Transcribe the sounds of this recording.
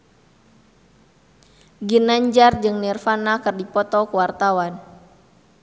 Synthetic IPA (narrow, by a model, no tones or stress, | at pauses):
ɡinaɲd͡ʒard͡ʒɨŋnɛrfanakɨrdipɔt̪ɔkuwart̪awan